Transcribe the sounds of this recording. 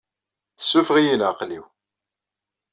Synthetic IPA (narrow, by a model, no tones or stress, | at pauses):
θəsːʊfʁijənʕaqliw